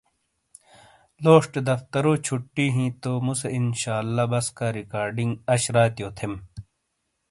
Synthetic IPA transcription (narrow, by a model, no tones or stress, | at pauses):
loːʂʈd̪ɐft̪ɐɾoːt͡ɕʰuʈːiːɦĩt̪omuseinɕaːlːabɐskaɾikaːɾɖiŋɡɐɕɾaːt̪joːt̪ʰem